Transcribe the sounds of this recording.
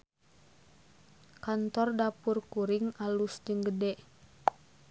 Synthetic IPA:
kant̪ɔrdapurkuɾiŋalusd͡ʒəŋɡədɛ

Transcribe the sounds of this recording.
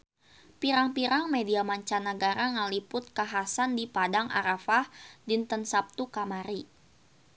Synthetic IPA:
piɾaŋpiɾaŋmediamaɲt͡ʃanəɡaɾaŋalipʊt̪̚kaɦasandipadaŋʔa̰ɾafahdint̪ənsap̚t̪ukamaɾi

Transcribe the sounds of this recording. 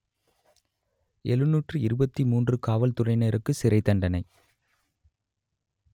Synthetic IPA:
ʔɛlɯnːuːʈrɯɪɾɯbɐt̪ːimuːndrɯkaːʋɐlt̪ʊrɐɪneːɾɯkːɯsɪɾɐɪt̪ːɐɳɖɐnɐɪ

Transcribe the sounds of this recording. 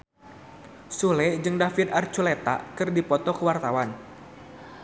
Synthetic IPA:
sulɛd͡ʒɨŋdafit̪art͡ʃulet̪a̰kɨrdipɔt̪ɔkəwart̪awan

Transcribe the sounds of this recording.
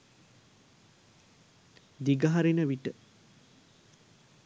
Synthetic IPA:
d̪iɡɐɦaɾinəʋiʈə

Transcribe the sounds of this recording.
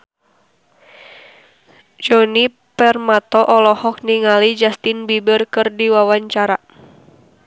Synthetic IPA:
d͡ʒɔni | pɛrmat̪ɔʔɔlɔhɔk̚niŋalid͡ʒast̪ɪnbibərkɨrdiwawaɲt͡ʃaɾa

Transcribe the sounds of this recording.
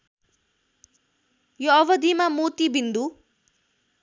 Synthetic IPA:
joʌbʌd̪ʱimamot̪ibind̪u

